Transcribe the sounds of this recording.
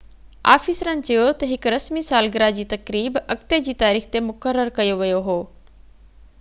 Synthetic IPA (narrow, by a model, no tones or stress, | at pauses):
a̰ːfiːsɾənɪ̆t͡ɕɐjot̪ɐɦɪkɾɐsmisaːlɡɪɾad͡ʑiːt̪ɐkɾiːbɐkt̪ed͡ʑiːt̪aːɾiːxt̪emʊkəɾːəɾkɐjoʋɐjoɦoː